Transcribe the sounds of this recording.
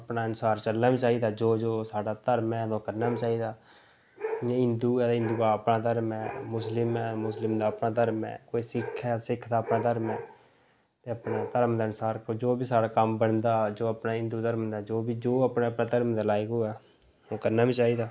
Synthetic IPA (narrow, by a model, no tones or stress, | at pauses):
əpnaːənsaːɾt͡ʃəlnaːbiːt͡ʃaːiːd̪aːd͡ʒoːd͡ʒoːsaːɽaːt̪əɾmɛːd̪õːkəɾnaːbiːt͡ʃaːiːd̪aː | ɪnd̪uːd̪ɪ̃nd̪uːɡaːəpnaːt̪əɾmɛːmʊslɪmɛːmʊslɪmd̪aːəpnaːt̪əɾmɛ̰ːkoːiːsɪkʰːɛːsɪkʰd̪aːəpnãːt̪əɾmɛː | t̪eːəpnaːt̪əɾəmd̪aːənsaːɾkːd͡ʒoːbiːsaːɽaːkəmbəɳd̪aːd͡ʒoːəpnaːɪ̃nd̪uːt̪əɾmd̪aːd͡ʒoːbiːd͡ʒoːəpneːəpnaːt̪əɾmd̪aːlaːɪɡoːɛː | õːkəɾnaːbiːt͡ʃaːiːd̪aː